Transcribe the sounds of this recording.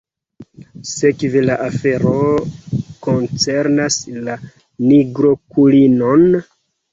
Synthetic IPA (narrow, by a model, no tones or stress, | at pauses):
se̞kvelaʔafe̞ɾo | ko̞nt͡se̞ɾnasla | niɡɾo̞kulino̞n